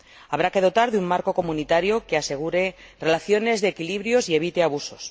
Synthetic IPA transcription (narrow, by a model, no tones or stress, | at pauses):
aβ̞ɾake̞ð̞o̞t̪aɾðeummaɾko̞ko̞munit̪aɾjo̞ke̞ase̞ɣ̞uɾe̞ | re̞laθjo̞ne̞zðeːkiliβɾjo̞sie̞β̞it̪e̞aβuso̞s